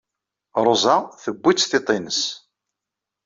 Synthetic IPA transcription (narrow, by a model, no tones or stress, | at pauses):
ɾˤozˤaθəbʷːit͡sːθet̪ˤinəs